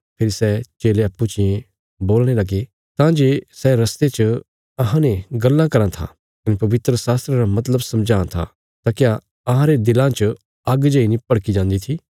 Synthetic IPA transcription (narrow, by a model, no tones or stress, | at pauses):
pʰɪɾisɛt͡ʃeːleɐpːut͡ʃɪjẽ | boːlɽ̃elɐɡe | t̪ãd͡ʒeːsɛɾɐst̪et͡ʃə | ɐɦãnẽɡɐlːãkɐɾãt̪ʰa̰ | kɐnepɐʋɪt̪ɾəsaːst̪ɾeɾamɐt̪̬ləbsɐmd͡ʒãːt̪ʰa̰ | t̪akja | ɐɦãɾed̪ɪlãt͡ʃə | ɐɡd͡ʒɐinĩpɐɽkid͡ʒãːnd̪it̪ʰiː